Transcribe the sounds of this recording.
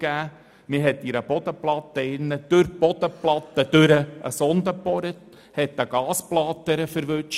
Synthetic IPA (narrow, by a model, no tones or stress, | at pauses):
ɡ̥æː | mɪɦɛt̪ːiɾəbɔd̥̪əplɑt̪əɪnːəd̥ɵɾb̥ɔd̥̪əplɑt̪ːəd̥ɵɾəə̰sɔnd̪əpɔɾət | hɛt̪ːəɡ̥ɑːsplɑt̪ːəɾəfəɾʋɵt͡ʃ